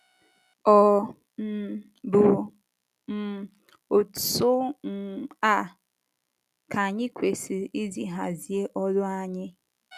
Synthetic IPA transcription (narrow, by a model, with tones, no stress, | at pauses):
ɔ˨ | bʊ˨ | m̩˦ | o˨sʊ˦˨ | a˦ | ka˨ɲɪ˦kʷe˨si˨i˦zi˦ɦa˨zi˨e˦ʔɔ˦lʊ˦a˨ɲɪ˦